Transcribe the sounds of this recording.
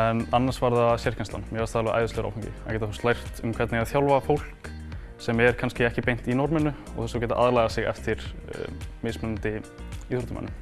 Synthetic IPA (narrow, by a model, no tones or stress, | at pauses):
ɛnanːansvaɾðasɛɾ̥kcanst̪a̰nmjɛvast̪alvɛaʔa̰jðʏsleːɣɾa̰wfaɲcɪ̰a̰ɣcɛːt̪aθust̪lajr̥t̪ʏmkʰvɛt̪nɪɣaðθjawlvafowl̥k | sɛmɛɾ̥kʰanscɪɛhcɪpejn̥t̪inɔɾmɛnʏ | ɔ̰ɣθɛsawcɛːt̪aʔaðɾlajɣasɪɣɛ̰ft̪ɪɾ̥̰ | mɪsmɛnnt̪ɪiθɾut̪ʏma̰nːʏm